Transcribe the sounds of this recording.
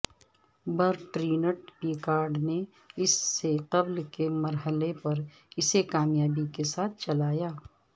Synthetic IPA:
bɐɾʈɾiːnəʈpiːkaːɾɖne | ɪsːeqɐblkemɐɾɦəlepɐɾ | ɪsekaːmjaːbikesaːt̪̚ʰt͡ʃɐlaːjaː

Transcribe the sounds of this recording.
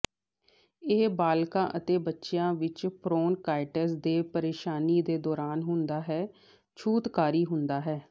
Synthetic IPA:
eːbaːlkãːʔət̪eːbətːʃjãːʋɪt͡ʃpʰɾoːnkaːɪʈəsd̪eːpəɾeːʃaːniːd̪eːd̪ɔːɾaːnɦʊnd̪aːɦɛː | t͡ʃʰuːt̪kaːɾiːɦʊnd̪aːɦɛː

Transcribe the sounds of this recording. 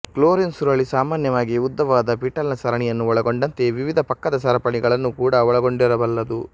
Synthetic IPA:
kloːɾinsuɾɐɭisaːmaːnjɐʋaːɡiud̪ːɐʋaːd̪ɐpiːʈɐlnɐsɐɾɐɳijɐnːuɔɭɐɡo̞ɳɖɐnt̪e̞ʋiʋid̪ʱɐpɐkːɐd̪ɐs̬ɐɾɐpɐɳiɡɐɭɐnːukuːɽɐɔɭɐɡo̞ɳɖiɾɐbɐlːɐd̪u

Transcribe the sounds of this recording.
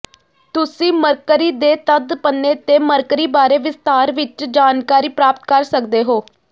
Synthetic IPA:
t̪ʊsĩːməɾkəɾiːd̪eːt̪əd̪pənːeːt̪eːməɾkɾiːbaːɾeːʋɪst̪aːɾʋɪt͡ʃd͡ʒaːnkaːɾiːpɾaːp̚t̪kəɾsəkd̪eːɦoː

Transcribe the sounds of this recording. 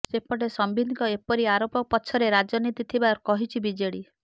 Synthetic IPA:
sepɔɽesɔmbid̪ʱkɔepɔɾiaɾopɔpɔt͡ʃʰɔɾeɾad͡ʒɔnit̪it̪ʰibaɾkɔɦit͡ʃʰibid͡ʒeɽi

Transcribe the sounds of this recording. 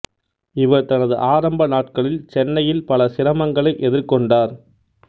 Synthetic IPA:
ɪʋɐɾt̪ɐnɐðɯ̰ʔaːɾɐmbɐnaːʈ̚kɐɭɪlt͡ʃɛnːɐjɪlpɐlɐsɪɾɐmɐŋɡɐɭɐɪʔɛðɪɾkɔɳɖaːɾ

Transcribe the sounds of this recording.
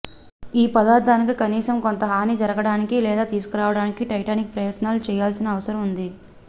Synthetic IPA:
iːpɐd̪aːɾd̪aːnikikɐniːsɐmko̞nt̪ɐɦaːnid͡ʒɐɾɐɡɐɽaːnikilɛːd̪aːt̪iːsu̥kuɾaːʋɐɽaːnikiʈɐjʈaːnik̚pɾɐjɐt̪naːlut͡ʃɛːjaːlsinɐːʋɐsɐɾɐmund̪i

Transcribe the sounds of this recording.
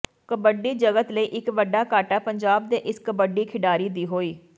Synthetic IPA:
kəbəɖiːd͡ʒəɡət̪ləiːʔɪkʋəɖaːkaːʈaːpəɲd͡ʒaːb̚d̪eːʔɪskəbəɖiːkʰɪɖaːɾiːd̪iːɦoːiː

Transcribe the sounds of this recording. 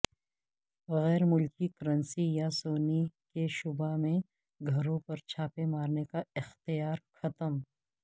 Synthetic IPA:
ɣɛːɾmʊlkikəɾə̃nsijasoːnikeʃʊbamẽ | ɡʱɐɾõpɐɾt͡ʃʰaːpemaːɾnekaɪxt̪ijaːɾxɐt̪əm

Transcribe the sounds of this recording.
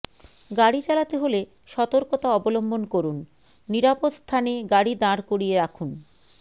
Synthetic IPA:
ɡaɽit͡ɕalat̪eɦole | ʃɔt̪oɾkot̪aɔbolombonkoɾunː | iɾapot̪st̪ʰaneɡaɽid̪ãɾkoɽijeɾakʰun

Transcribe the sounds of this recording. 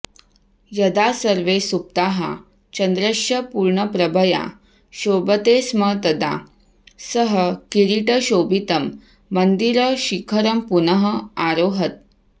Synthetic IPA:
jɐd̪asəɾʋesup̚t̪aɦa̰ | t͡ɕɐnd̪ɾɐʃjɐpuɾɳəpɾəbʱəja̰ | ɕobət̪esmət̪əd̪a̰ | səɦəkiɾiʈəɕobit̪əmː | ənd̪iɾəɕikʰəɾəmpunəɦəaɾoɦət̪̚

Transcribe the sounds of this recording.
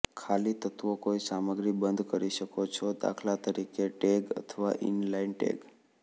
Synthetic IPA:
kʰalit̪ət̪ʋokoisaməɡɾibənd̪ʱkəɾiʃəkot͡ʃʰɔd̪a̰kʰlat̪əɾikeʈeɡə̰t̪ʰəʋa̰ʔɪ̰nlainʈḛɡ

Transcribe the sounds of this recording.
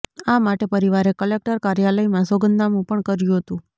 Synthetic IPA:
amaʈepəɾiʋaɾekəlek̚ʈəɾkaɾjaləimãsoɡənd̪amũpəɳkəɾjũɦət̪ũ

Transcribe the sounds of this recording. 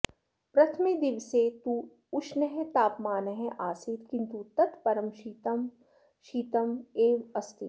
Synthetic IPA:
pɾɐt̪ʰmid̪iʋset̪u | ʊʃnɐɦẽt̪aːpmaːnɐɦẽʔaːsit̪kɪ̃nt̪ut̪ɐt̪pɐɾəmʃit̪ɐm | ʃiːt̪ɐmeːʋɐst̪i

